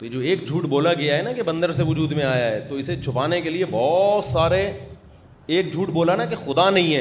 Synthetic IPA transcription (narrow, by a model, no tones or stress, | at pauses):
t̪oed͡ʒoːeːkd͡ʒʱuːʈboːlaɡɐjaɦɛnakebɐ̃nd̪əɾseʋʊd͡ʒuːd̪mẽaːjaɦɛt̪oɪset͡ʃʰʊpaːnekeliebɔːt̪saːɾe | eːkd͡ʒʱuːʈboːlanakexʊd̪anɐɦĩɦɛː